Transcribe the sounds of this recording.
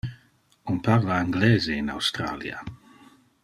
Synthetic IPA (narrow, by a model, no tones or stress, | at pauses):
unpaʁlaaŋɡlɛːzeina̰wst̪ɾa̰ːlj̰a̰